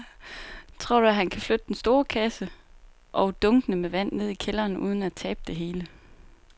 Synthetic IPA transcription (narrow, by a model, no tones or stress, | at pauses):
t͡sʰʁo̝ɐ̰ɾ̥uæɦænkʰæflød̥əd̥ensd̥o̝ːɐkʰæsə | ʔɒʊd̥ɔŋɡ̥ənəmeʋæn̰ne̝ð̞̰ˠikʰelɐːnṵð̞ˠn̩æt͡sʰɛːb̥̚d̥e̝ɦe̝ːlə